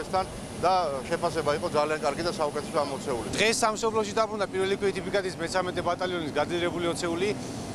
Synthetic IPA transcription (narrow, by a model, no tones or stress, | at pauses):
st̪ʰan | d̪aʃɛpʰasɛbaiqʼɔd̪zaliankʼaɾɡid̪asaukʼɛt̪ʰɛsɔamɔt̪sʰɛulid̪ʁɛsːamsɔpʰlɔʃid̪abɾund̪apʼiɾvɛlikʰwɛit̪ʰipikʼat̪ʰismɛt̪sʰamɛt̪ʰɛbat̪ʼaliɔnisɡad̪ziɾɛbuliɔt̪sʰɛuli